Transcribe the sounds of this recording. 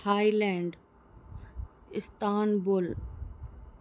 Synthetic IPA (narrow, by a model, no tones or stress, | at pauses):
haːilɛ̃ːɳɖ | ɪst̪aːnbʊl